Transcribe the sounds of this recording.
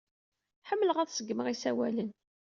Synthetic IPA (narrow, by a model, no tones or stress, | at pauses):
ħəmːləʁæðsəɡːməʁisæwælən